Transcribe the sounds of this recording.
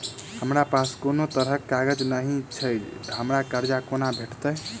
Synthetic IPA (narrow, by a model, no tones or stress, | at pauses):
həmɾapaskonot̪əɾɦəkːaɡəd͡ʒnaɦĩt͡ʃʰəjd͡ʒɦəmɾakəɾd͡ʒakonabʱeʈt̪əj